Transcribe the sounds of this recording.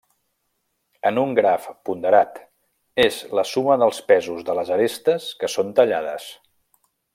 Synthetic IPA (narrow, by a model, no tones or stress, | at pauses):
ənuŋɡɾafpund̪əɾat̪ | ezləsuməðəlˠspɛzuzðələzəɾest̪əskəsont̪əʎaðəs